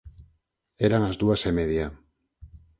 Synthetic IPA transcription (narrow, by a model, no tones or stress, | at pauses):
eɾaŋazd̪uasemeðia